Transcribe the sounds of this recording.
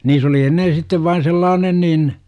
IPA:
niːs oli enːen̞ sitːeʋ ʋɑin selːɑːnen niːn

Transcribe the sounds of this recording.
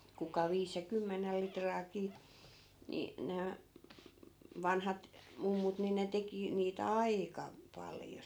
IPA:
kukɑ ʋiːs jɑ kymːenel litrɑːkiː ni næː ʋɑnhɑt mumːut ni ne teki niːt ɑikɑ pɑljo

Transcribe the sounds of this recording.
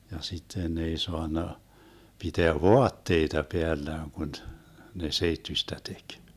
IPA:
jɑ sitːen ne ei soɑnːɑ piteæ ʋoɑtːeitɑ peælːæːn kun ne seitːysʲtæ tek

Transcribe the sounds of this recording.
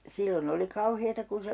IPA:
silːon oli kɑuheːtɑ kun̞ se

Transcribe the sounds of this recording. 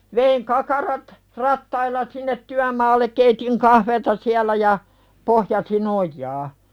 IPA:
ʋeiŋ kɑkɑrɑt rɑtːɑilːɑ sinːet tyæmɑːlːek keitiŋ kɑhʋeːtɑ siælˑæ jɑ pohjɑsin ojˑɑː

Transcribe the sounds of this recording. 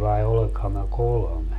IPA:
ʋɑi oleŋkhɑm mæ kolŏme

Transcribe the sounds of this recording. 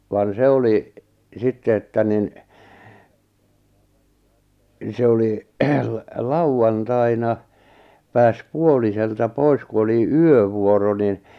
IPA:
ʋɑn se oli sitːe etːæ nin se oli l lɑuɑntɑinɑ pæːs puoliseltɑ pois ku oli yøʋuoro nin

